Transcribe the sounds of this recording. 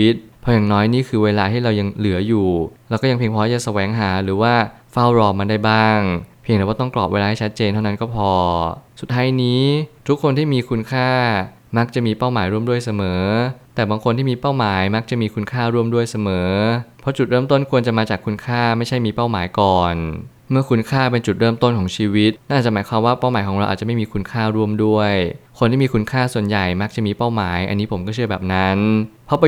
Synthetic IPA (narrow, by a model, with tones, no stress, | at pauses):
i˦˥t̪̚pʰɔ˧jaː˨˩nɔː˦˥jniː˥˩kʰɯː˧weː˧laː˧t̪ʰiː˥˩ɾa˧wja˧ŋlɯ˩˦ɐjuː˨˩lɛ˦˥kɔː˥˩ja˧ŋpʰi˧pʰɔ˦˥ja˧˩sa˧wɛː˩˦ŋɦaː˩˦ɾɯː˩˦waː˥˩ | fa˥˩wɾɔː˧ma˧nda˥˩jbaː˥˩ŋpʰi˧ŋɾɛː˧˩waː˥˩t̪ɔ˥˩klɔː˨˩p̚weː˧laː˧ha˥˩t͡ɕʰt̪̚t͡ɕeː˧nt̪ʰa˥˩na˦˥nkɔː˥˩pʰɔː˧su˨˩t̪̚hʰaː˨˦˥jniː˦˥t̪ʰu˦˥kʰːo˧nt̪ʰiː˥˩miː˧kʰu˧nkʰaː˥˩ | ma˦˥k̚t͡ɕa˨˩miː˧pa˥˩wmaː˩˦jɾu˥˩mdu˥˩əjsa˧mɤː˩˦t̪ɛː˨˩baː˧ŋkʰo˧nt̪ʰiː˥˩miː˧pa˥˩wmaː˩˦jma˦˥k̚t͡ɕa˨˩miː˧kʰu˧nkʰaː˥˩ɾu˥˩əmdu˥˩əjsa˧mɤː˩˦pʰɔ˦˥t͡ɕu˨˩t̪̚ɾɤː˥˩mt̪o˥˩nkʰu˧ənt͡ɕa˨˩maː˧t͡ɕaː˨˩kʰːu˧nkʰaː˥˩ma˥˩jt͡ɕʰa˥˩jmiː˧pa˥˩wmaː˩˦jkɔː˨˩n | mɯ˥˩ɐkʰu˧nkʰaː˥˩pe˧nt͡ɕu˨˩t̪̚ɾɤː˥˩mt̪o˥˩nkʰɔː˩˦ŋt͡ɕʰiː˧wi˦˥t̪̚na˥˩ʔ̚t͡ɕa˩mːa˩˦jkʰwaː˧mwaː˥˩pa˥˩wmaː˩˦jkʰɔː˩˦ŋɾa˧wʔaː˨˩t͡ɕa˨˩ma˥˩jmː˧kʰu˧nkʰaː˥˩ɾu˥˩əmdu˥˩əjkʰo˧nt̪ʰiː˥˩iː˧ku˧nkʰaː˥˩su˨˩ənja˨˩jma˦˥k̚t͡ɕa˨˩miː˧pa˥˩wmaː˩˦jʔa̰˧nːiː˦˥pʰo˩˦mkɔː˥˩t͡ɕʰɯ˥˩ɐbɛː˨˩p̚na˦˥npʰɔ˦˥pa˧